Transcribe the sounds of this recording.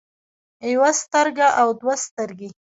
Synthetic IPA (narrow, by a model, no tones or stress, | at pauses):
jwast̪əɾɡaʔawd̪wast̪əɾɡe